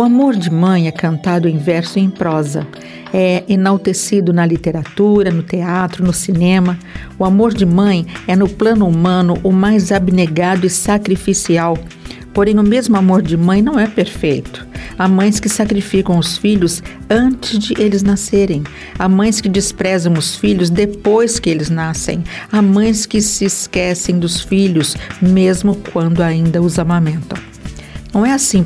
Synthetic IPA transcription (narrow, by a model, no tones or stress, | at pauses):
ʊamoɾd͡ʒɪmɐ̃j̃ɛkɐ̃nt̪ad̪ʊẽj̃vɛɾsʊẽj̃pɾɔzɐ̰ | ɛenawt̪esid̪ʊnɐlit̪eɾat̪uɾɐnʊt̪eat̪ɾʊnʊsinẽmɐ | ʊamoɾd͡ʒɪmɐ̃j̃ɛnʊplɐ̃nʊumɐ̃nʊʔʊmajzabineɡad̪ʊɪsakɾifisiaw | poɾẽj̃ʊmezmʊamoɾd͡ʒɪmɐ̃j̃nɐ̃w̃ɛpeɾfejt̪ʊ̥amɐ̃j̃skɪsakɾifikɐ̃w̃ʊsfiʎʊz | ɐ̃t͡ʃɪzd͡ʒɪʔelɪznaseɾẽj̃ | amɐ̃j̃skɪd͡ʒɪspɾɛzɐ̃w̃ʊsfiʎʊzd̪epojskɪelɪznasḛ̃j̃amɐ̃j̃skɪsɪskɛsẽj̃d̪ʊsfiʎʊsmezmʊkwɐ̃nd̪ʊaĩnd̪ɐʊzamɐmẽnt̪ɐ̰̃w̃ | nɐ̃w̃ɛasĩ